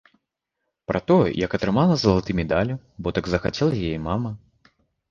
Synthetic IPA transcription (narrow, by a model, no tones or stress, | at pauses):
pɾʔɐt̪ɔjɛ̰jɐkɐt̪ɾɨmalˠɐzɐlˠat̪ɨmʲɛd̪alʲu | bɔt̪aɡzɐxat͡sʲɛlˠɐjajɛmamɐ